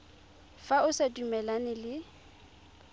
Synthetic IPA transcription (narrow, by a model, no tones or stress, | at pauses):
faʊsedumɛlanɪlɪ